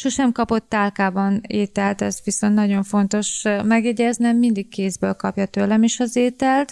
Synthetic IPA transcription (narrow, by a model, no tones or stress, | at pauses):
ʃoʃɛmkɒpo̞t̪ːaːlkaːbɒneːt̪ɛlt̪ɛzʋiso̞nt̪nɒɟo̞ɱfo̞nt̪o̞ʃmɛɡjɛɟɛznɛmind̪ikːeːzbølkɒpjɒt̪øːlːɛmeʃɒzeːt̪ɛlt̪